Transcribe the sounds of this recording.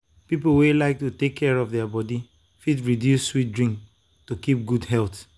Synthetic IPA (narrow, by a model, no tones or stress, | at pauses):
pipowelaɪk̚tutekʰːɛɹɔfðɛabɔdi | fitɹidjusːwit̚dɹĩŋk | tukip̚ɡudhɛlt